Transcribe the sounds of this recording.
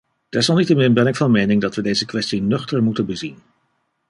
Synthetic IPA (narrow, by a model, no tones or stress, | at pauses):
d̥ɛɹsɑlˠnitəmɪnbɛnɪkfɑnmejnɪŋdɑtʋədejzəkʋɛstinøχtəɹmutənbəzin